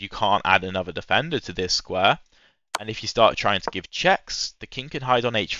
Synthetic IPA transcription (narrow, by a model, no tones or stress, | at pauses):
jəkʰɑ̃ˑnta̰ɾənʌðədɪfɛ̃ndətʰəðɪskwɛː | ʔə̃nɪfjəstɑˑtʰɹ̥aɪɪ̃ŋtʰəɡɪv̥t͡ʃʰɛksðəkʰɪ̃ŋkʰə̃nɦaɪdn̩eɪt͡ʃ